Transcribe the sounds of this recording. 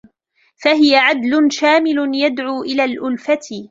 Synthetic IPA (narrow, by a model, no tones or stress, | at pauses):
faɦɪjaʕad̪lʊnʃaːmɪlʊnjad̪ʕuːʔɪlaːlʔʊlfat̪